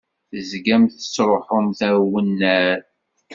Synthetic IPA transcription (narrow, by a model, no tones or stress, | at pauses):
θəzɡæmθə̥sɾˤoħomθæɾwənːæɾ